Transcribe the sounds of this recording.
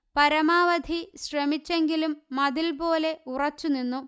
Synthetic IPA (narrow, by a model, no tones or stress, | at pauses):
pɐɾɐmaːʋɐd̪ʱiɕrɐmit͡ɕːe̞ŋɡilumːɐðilpo̞ːle̞urɐt͡ɕːuninːu